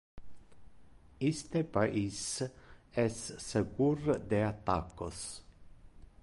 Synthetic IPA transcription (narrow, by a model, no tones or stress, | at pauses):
ist̪epaʔis | ɛsːeɡurd̪eat̪ːakːos